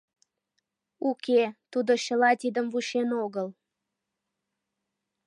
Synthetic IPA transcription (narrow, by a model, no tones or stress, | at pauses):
ukʰet̪ud̪oɕə̆lɑt̪ʲid̪əmvuʃenoɣəl